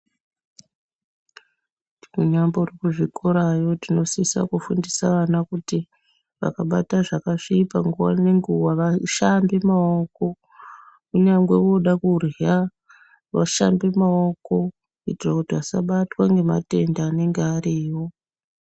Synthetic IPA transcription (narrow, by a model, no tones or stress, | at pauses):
iruɲambo̞rekuʐikʰoɾajo̞tino̞sisa̰kufundisaʋanakuti | ʋa̰kaɓataʐakaʂipaŋɡuwa̰ne̞ŋɡuwaʋaʃambemao̞ko̞ | kuɲaŋɡe̞ʋo̞ɗakurea | ʋa̰ʃambemao̞ko̞ | itirakutiʋasaɓatwaŋɡe̞ma̰te̞ndaːne̞ŋɡeaɾiːwo̞